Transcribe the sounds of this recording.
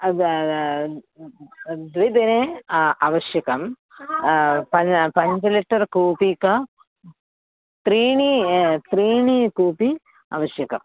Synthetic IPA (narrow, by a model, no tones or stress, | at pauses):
d̪ʋid̪ɐneɐʋɐɕjɐkɐm | pɐpɐɲd͡ʑɐliʈːɐrkuːpikɐ | t̪ɾiːɳit̪riːɳikuːpi | ɐ̰ʋɐɕjɐkɐ̰m